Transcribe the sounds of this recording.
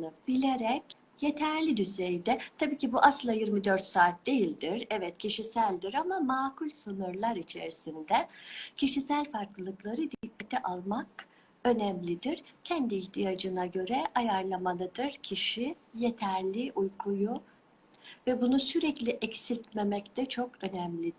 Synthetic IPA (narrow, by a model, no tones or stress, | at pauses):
nɯbilʲeɾɛc | je̞t̪ʰæɾlʲid̪yzejd̪ɛt̪ʰabiːcʰibuʔaslˠajiɾmid̪ø̞ɾt̪saːt̪̚d̪e̞jilʲd̪iɾɛvɛt̪̚cʰiʃisælʲd̪iɾamamaːkʰulʲsɯnuɾlˠaɾit͡ʃʰḛɾisind̪ɛcʰiʃisælʲfaɾklˠɯlˠɯklˠaɾɯd̪ikʰːat̪ʰɛʔalˠmak | ø̞nɛmlʲid̪iɾ̥cʰɛnd̪iːçt̪ʰijad͡ʒɯnaɟø̞ɾɛʔajaɾlˠamalˠɯd̪ɯɾ̥cʰiʃi | jet̪ʰæɾlʲiʔujkʰuju | vɛbunusyɾɛclʲiʔɛcsilʲt̪me̞mɛct̪ɛt͡ʃʰo̞kø̞nɛmlʲid̪